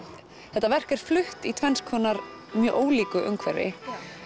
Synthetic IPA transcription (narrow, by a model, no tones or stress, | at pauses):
θɛht̪ːavɛr̥kɛɾ̥flʏht̪it̪ʰvɛnskʰvɔːnaɾ | mjœːʔoːwliːkʏʔʏŋkʰvɛ̰ɾɪ̰